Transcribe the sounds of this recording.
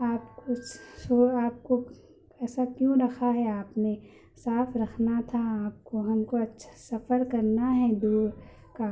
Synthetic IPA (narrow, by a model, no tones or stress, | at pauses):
aːpkosoːaːp̚ko | ɛːsakjõɾɐkʰaɦɛaːpne | saːfɾɐkʰnat̪ʰaaːp̚koɦɐmkoɐtːʃʰḁsɐfəɾkɐɾnaɦɛd̪oː | ka